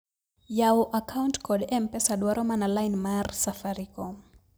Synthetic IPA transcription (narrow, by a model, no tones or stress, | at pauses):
jaɔʔakʰawntkɔɗɛmpɛsaɗwaɾɔmanalajnmarsafaɾikɔm